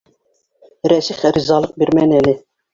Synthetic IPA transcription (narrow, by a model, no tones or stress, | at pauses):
ɾɛsiχɾizɑːlˠəq̚biɾmɛnɛlɪ